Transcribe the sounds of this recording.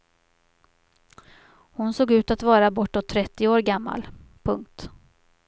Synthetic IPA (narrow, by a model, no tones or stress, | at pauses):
hʊnsoːɡʉ̟ːt̪at̪vɑːɾabɔʈːɔt̪ʰːɾɛt̪ːɪoːɾɡamːa̰lpʰɵŋk̚t̪